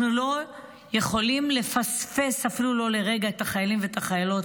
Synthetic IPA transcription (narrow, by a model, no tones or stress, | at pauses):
nulo̞ | je̞χo̞limle̞fasfe̞safilulo̞le̞ʁe̞ɡaet̪aχajalimvet̪aχajalo̞t